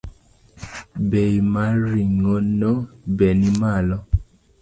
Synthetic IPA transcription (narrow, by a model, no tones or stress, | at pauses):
bejmaɾiŋɔnɔbɛnimalɔ